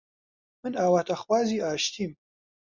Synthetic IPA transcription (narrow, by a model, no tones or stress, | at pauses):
mɨnaːwaːt̪ʰɐxwaːziːaːʃt̪ʰiːm